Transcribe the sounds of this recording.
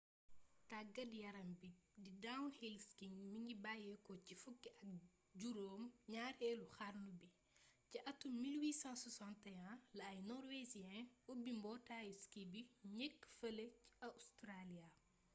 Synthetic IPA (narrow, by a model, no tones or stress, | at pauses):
taɡɐdjɐɾɐmbididawnhilskiŋmiŋɡibajɛkɔcifukːiɐk̚ | ɟuɾoːmɲaːɾɛːluxarnubi | ciʔɐtːumilwiːsãswɐsãntɛjãlɐːjnɔɾwezijɛ̃ubimbɔtaːjiskibiɲɛkːfɐləciɐustɾalia